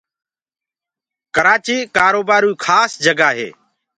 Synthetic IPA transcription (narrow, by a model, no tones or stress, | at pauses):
kəɾaːt͡ʃiːkaːɾoːbaːɾũːkʰaːsd͡ʒəɡaːɦḛː